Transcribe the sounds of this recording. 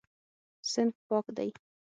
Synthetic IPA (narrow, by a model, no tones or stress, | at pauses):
sɪnt̪̚pɑkd̪a̰j